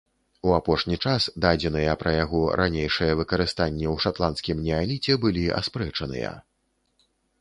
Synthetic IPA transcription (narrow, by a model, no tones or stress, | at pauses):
uapɔʂnʲit͡ʂasd̪ad͡zʲɛnɨjɐpɾɐjaɣɔɾʔanʲejʂɨjɐvɨkɐɾɨst̪anʲːɛwʂat̪lˠantskʲimnʲɛalʲit͡sʲɛbɨlʲiʔa̰spɾɛt͡ʂɐnɨ̰jɐ̰